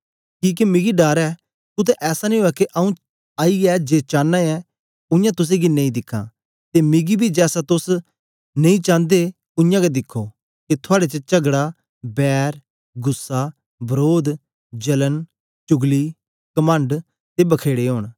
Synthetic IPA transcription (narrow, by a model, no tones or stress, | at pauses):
kiːk̬imɪɡiɖaːɾɛː | t̪ʊt̪ɛʔɛːsanĩɦoːɛkeʔaũ | aːiɛːd͡ʒeːt͡ʃãːnːaɛː | ʊ̃ɪ̃jãːt̪ʊs̬ẽːɡinẽĩd̪ɪkʰːã̰ː | t̪emɪɡibʱiːd͡ʒɛːsat̪ʊs | nẽĩːt͡ʃãːnd̪eː | ʊ̃ɪ̃jãːked̪ɪkʰːoː | ket̪ʰʊaːɽet͡ʃət͡ʃəɡɽaː | bɛːɾ | ɡʊsːaː | bəɾoːd̪ | d͡ʒələn | t͡ʃʊɡliː | kəmə̃ɳɖ | t̪ebəkʰeːɽeɦoːɽ̃